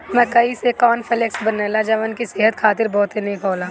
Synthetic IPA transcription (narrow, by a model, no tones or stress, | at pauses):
mɛ̃kɐisekɔːnfʰɪleksbɐneːlad͡ʒɐʋənkiseɦət̪kʰaːt̪ɪɾbɔːt̪ɦenekʰoːlãː